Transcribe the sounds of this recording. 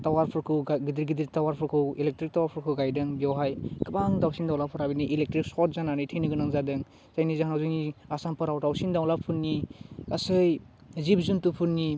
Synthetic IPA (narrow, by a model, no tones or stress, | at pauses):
tawaɾpʰɯɾkʰɯɡaɡidiɾɡidiɾtawaɾpʰɯɾkʰɯwilek̚tɾik̚tawaɾpʰɯɾkʰɯɡajdɯŋbɔwɦajkɯbaŋdawsindawlapʰɯɾabiniʔilek̚tɾiksɔt̚zananɯjtʰɯjnɯɡɯnaŋzadɯŋ | zajnizaŋnawzɯjniasampʰaɾawtawsindawlapʰunnːiasɯj | zip̚zuntupʰunːi